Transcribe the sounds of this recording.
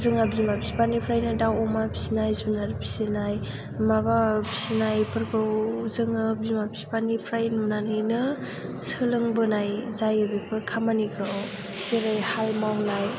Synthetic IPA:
zɯŋabimabisipanipʰɾajnɯdawɔmabʰi̥sinajzunaɾpʰi̥senaj | maβabi̥senajpʰɯɾbɯwzɯŋɯbimapispanipʰɾajnunanajnɯ | sɯlɯŋbɯnajzajɯbipʰɯɾkʰamanikʰaw | seɾajhalmawnaj

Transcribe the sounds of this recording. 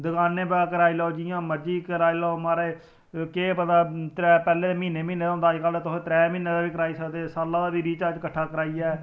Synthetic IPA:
d̪ʊkaːnẽːbɛaːkəɾaːiːlɔod͡ʒiːãːməɾd͡ʒiːkəɾaːiːlɔomaːɾeː | keːpət̪aːt̪ɾɛːpɛːleːeːmiːneːmiːneːaɔ̃ːnd̪aːd͡ʒkaːlːt̪ʊsẽːt̪ɾɛːmĩːneːd̪aːbiːkəɾaːiːsəkd̪eːsaːlãːd̪aːbiːɾiːt͡ʃaːt͡ʃkəʈʰːaːkəɾaːiːɛː

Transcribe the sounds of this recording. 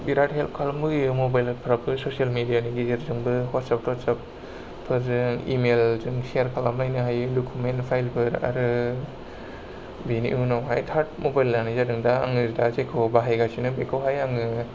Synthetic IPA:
biɾathelp̚kʰalmbɯɡimobajlpʰɾapʰɯsosialmidijaniɡizeɾzɯŋbɯhatsap̚tɔtsap | pʰːɯɾzɯŋḭmelzɯŋsiaɾkʰalamlajnɯɦajɯdokʰumentpʰajlpʰɯɾa̰ɾɯ | binḭʔunɔwɦajtʰaɾt̚mobajlnanizadɯŋdaːŋɯzdazekʰobaɦajɡasinɯbekʰɯwɦajaŋɯ

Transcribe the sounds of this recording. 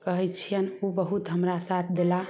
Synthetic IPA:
kəɦɛt͡ʃʰijənobəɦut̪ɦəmɾasat̪ʰd̪ela

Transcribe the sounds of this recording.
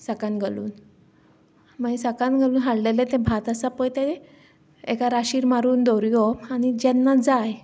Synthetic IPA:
sakanɡʱəlṵːn | maisakãnɡʱaluːnɦaɽlelet̪ɛ̃bʱat̪asapɔjt̪e | ḛkaɾaɕiːɾmaɾuːnd̪ɔɾjɔañid͡ʑɛnːad͡zaj

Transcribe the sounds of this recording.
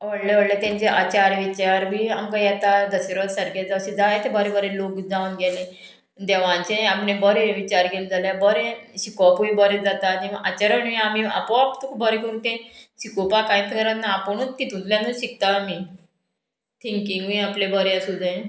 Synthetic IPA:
ʋəɽleʋəɽlet̪jãɲt͡ɕeʔat͡ɕaɾʋit͡ɕaɾmiamkajat̪ad̪əsiɾəsəɾɡed͡zaɕid͡zajet̪ebəɾebəɾelokd͡zaunɡɛlẽ | d̪ɛʋãɲt͡ɕẽapnebəɾeʋit͡ɕaɾkeld͡zaljabəɾẽɕikapuibəɾed͡zat̪aniʔat͡ɕaɾəɳʋiamia̰pɔapt̪ukʰbʱəɾekeunt̪ẽɕikopakãj̃t̪ʰkəɾannaːpəɳ̃ut̪kit̪ud̪ljãnəɕik̚t̪ami | t̪ʰiŋkiŋɡʋĩaplebəɾjasud̪ʱã

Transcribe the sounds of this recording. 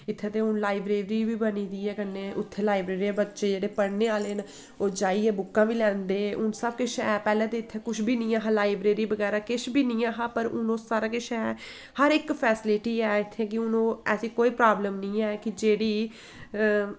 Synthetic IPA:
ɪt̪ʰːeːt̪eːʊnlaːɪbɾeːɾiːbiːbəniːd̪iːɛːkənːeːʔʊt̪ʰːeːlaːɪbɾeːɾiːɛːbətːʃeːd͡ʒeːɽeːpəɽneːaːleːn | oːd͡ʒaːiːɛːbʊkːãːbiːlɛ̃ːnd̪eːʊnsəbkɪʃɛːpɛːlɛ̃ːd̪eːɪt̪ʰːeːkʊʃbiːnĩːaːɦaːlaːɪbɾeːɾiːbəɡɛːɾaːkɪʃbʱiːnĩːaːɦaːpəɾʊnõːsaːɾaːkɪʃʰɛː | həɾɪkpʰɛːsɪlɪʈiːɛːɪt̪ʰːeːk̬ɪʊnõːɛ̰ːsiːkoːiːpɾaːbləmnĩːɛːkɪd͡ʒeːɽiː

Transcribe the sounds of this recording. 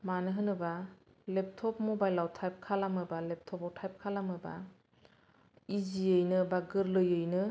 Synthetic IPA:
manɯɦɯnɯbalep̚tʰɔp̚mɔbajlawtʰajp̚kʰalamɯbalep̚tʰɔpawtʰajp̚kʰalamɯba̰ | iziɯjnɯbaɡɯɾlɯjɯjnɯ

